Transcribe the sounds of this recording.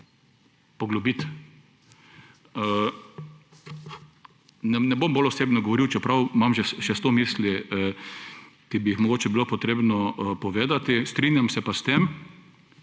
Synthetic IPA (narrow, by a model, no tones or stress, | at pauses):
pɔɡlɔbit̪ | nɛnɛbombolɔseːbnɔɡɔʋɔɾiwt͡ʃɛpɾawmamʒɛʃɛst̪omisliə | kibiixmɔɡoːt͡ʃɛbilopɔt̪ɾeːbnɔpɔʋeːd̪at̪ist̪ɾinjamsɛpast̪em